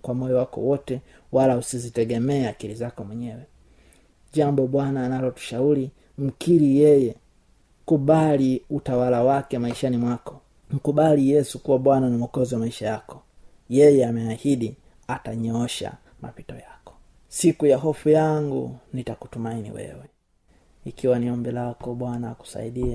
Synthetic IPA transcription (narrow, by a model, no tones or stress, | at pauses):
kwamɔjɔwakɔ̰wɔtɛ | walausizitɛɡɛmɛaːkiɾizakɔmwɛɲɛwɛ | ʄambɔɓwanaːnalɔtu̥ʃauɾi | m̩kiɾijɛjɛ | kuɓaliutawalawakɛmaiʃanimwakɔ̥ | m̩kuɓalijɛsukuwaɓwananimɔkɔziwamaiʃajakɔ̥ | jɛjɛamɛahiɗi | ataɲɔɔʃa̰ | ma̰pitɔjakɔ̥ | sikujaɦɔfujaŋɡṵnitaku̥tumainḭwɛ̰wɛ | ikiwaniɔmbɛlakɔɓwanaːku̥sa̰iɗia